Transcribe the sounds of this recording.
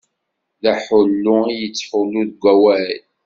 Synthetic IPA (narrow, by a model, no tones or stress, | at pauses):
ðæħʊlːʊijət͡sːħulːuðɡʷæwæl